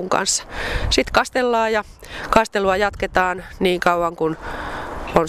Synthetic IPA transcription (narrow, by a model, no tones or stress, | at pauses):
ŋkɑ̰nsːɑ̥sit̪kɑst̪elːɑːjɑ | kɑst̪eluɑjɑt̪ket̪ɑːnniːŋkɑuwɑŋkun | on